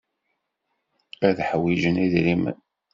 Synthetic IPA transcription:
æðħəwːid͡ʒəniðɾimə̰n

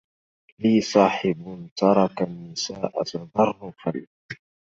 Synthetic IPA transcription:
liːsˤɑːħɪbt̪ɑɾˤɑkanːɪsaːʔat̪ɑðˤɑrˤːʊfal

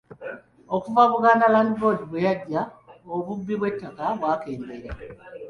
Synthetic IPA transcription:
okuvaβuɡaːnalaːndibo̞diβwejaɟːaoβubːiβwe̞tːakaβwaːke̞ːmbeɾa

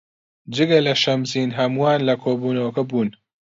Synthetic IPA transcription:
d͡ʒɨɡɐlɐʃɐmziːnɦɐmuwaːnlɐkʰoːbuːnɐwɐkɐbuːn

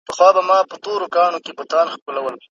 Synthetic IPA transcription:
pəxwɑbamɑpət̪oɾokɑɳokebʊt̪ɑːnxkolawəl

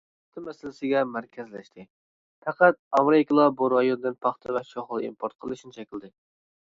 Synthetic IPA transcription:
t̪ʰɨmɛsɪlɪsɪɡʲɛmæɾkʲʰɛzlɛʃt̪ʰɪ | pæqæt̪̚ɑmɾɪkʲlˠɑbuɾɑjonɨd̪ɨnpʰɑχt̪ʰɛvɛʃoχlˠɨḭmpʰoɾt̪̚qʰəlˠɨʃnɪt͡ʃʰɛkʲɪld̪ɪ

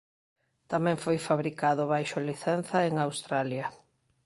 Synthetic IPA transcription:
t̪amɛ̃ŋfojfaβɾikaðʊβajʃʊliθɛn̟θɐeŋawst̪ɾaljɐ

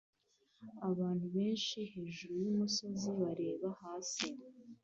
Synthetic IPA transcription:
aβaːn̥huβe̞ːnʃihe̞ːʒuɾujumuso̞ziβaɾe̞ːβahaːsi

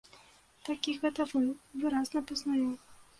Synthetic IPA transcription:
t̪akʲiɣɛt̪ɐvɨvɨɾaznɐpɐznaju

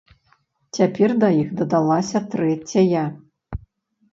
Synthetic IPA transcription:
t͡sʲapʲɛrd̪ɐjixd̪ɐd̪alˠasʲɐt̪ɾɛt͡sʲɐjɐ

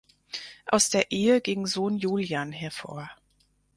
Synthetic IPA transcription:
ʔa̰ʊsd̥eːɐʔeːəɡɪŋzoːnjuːljaːnɦɛɐfo̰ːɐ

